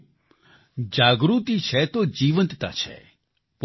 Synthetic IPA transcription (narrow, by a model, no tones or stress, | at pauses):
d͡ʒaɡɾut̪it͡ʃʰet̪od͡ʒiʋənt̪t̪a̰t͡ʃʰḛ | p